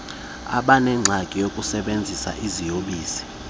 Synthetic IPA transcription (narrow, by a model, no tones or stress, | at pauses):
a̰ɓanɛŋ͡ǀʱakʼijokʼusɛɓend͡zʱisa̰ʔizijoɓiːsi̥